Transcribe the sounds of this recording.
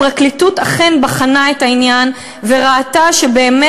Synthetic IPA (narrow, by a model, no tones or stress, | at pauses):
ʁaklitutaχenbaχanaetainjan | ve̞ʁaːtaʃebe̞ːme